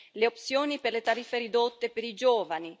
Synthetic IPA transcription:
leop̚sjoːniperlet̪aɾifːeɾid̪ot̪ːepeɾid͡ʒoːvani

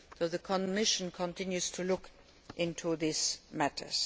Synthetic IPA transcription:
ðoʊðəkʰɔ̃mɪʃə̃nkʰə̃ntʰɪ̃njuz̥tʰulʊk | ʔɪ̃ntʰuðismætʰə̰˞z̥

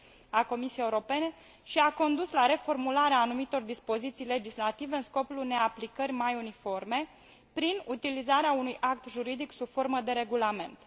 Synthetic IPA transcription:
ako̞misijejeuɾo̞pe̞ne̞ | ʃiako̞nd̪uslaɾe̞fo̞rmulaɾeaːnumit̪o̞rd̪ispo̞zit̪sijle̞d͡ʒislat̪ive̞ɨnsko̞plune̞aplikərʲmajunifo̞rme̞ | pɾinut̪ilizaɾeaunujʔak̚t̪ʒuɾid̪iksubfo̞rməd̪e̞ɾe̞ɡulame̞̰nt̪

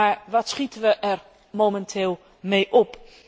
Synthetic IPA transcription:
aːɹʋɑtsχitəʋəʔɛr | momɛntʰɪːlˠ | mejʔɔp

